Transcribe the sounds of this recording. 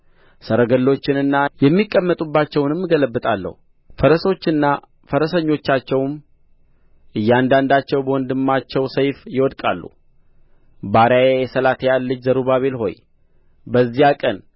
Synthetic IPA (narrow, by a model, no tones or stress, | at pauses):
səɾəɡəlːo̞t͡ʃːɪnɨnːajɛmːikʼːəmːət̪ʼubːat͡ʃːɛwnɨmːɨɡələbːɨt̪ʼalːə̰hu | fəɾəso̞t͡ʃːɨnːa | fəɾəsəɲːo̞t͡ʃːat͡ʃːɛwm | ʔɨjːand̪and̪at͡ʃːɛwbəwɔnd̪ɨmːat͡ʃːɛwsəjfjɪwɔd̪kʼa̰lːṵ | baɾjajejɛsəlat̪ʰjalːɨt͡ʃːzəɾubaβe̞lɦo̞̰j | bəzːijakʼən